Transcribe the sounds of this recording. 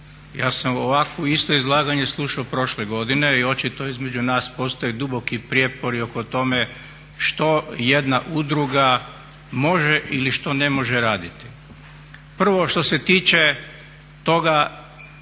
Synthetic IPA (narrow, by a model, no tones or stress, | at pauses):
jaːsamoʋakʋoist̪o̞izlˠaːɡaɲe̞slˠuʃaopɾo̞ʃleɡo̞d̪ine̞io̞t͡ʃit̪o̞izme̞d͡ʒunaːspo̞st̪ojed̪ubo̞kipɾjepo̞ɾio̞ko̞t̪o̞me̞ | ʃt̪o̞je̞d̪naʔud̪ɾuɡa | mo̞ʒeʔiliʃt̪o̞ne̞mo̞ʒeɾaːd̪it̪i̥ | pr̩ʋo̞ʃt̪o̞se̞t̪iːt͡ʃe | t̪o̞ɡa